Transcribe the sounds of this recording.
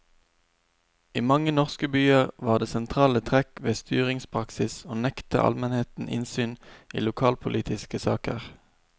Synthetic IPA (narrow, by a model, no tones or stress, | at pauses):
iːmɑŋənɔʁskəbyːəʁʋɑːʁd̪eːsɛnt̪ʰʁɑːlət̪ʰʁɛkʋeːst̪ʰyːʁɪŋspʰʁɑksɪsoːnɛkt̪ə̰ʔɑ̰lmɛnheːt̪n̩ʔɪ̰nsyːnʔḭːlʊkʰɑːlpʰʊlʔiːt̪ʰɪskəsɑːkə̰ʁ